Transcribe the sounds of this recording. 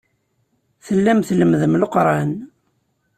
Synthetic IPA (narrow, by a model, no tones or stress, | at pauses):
θəlːæmθləmðəmləqɾˤɑn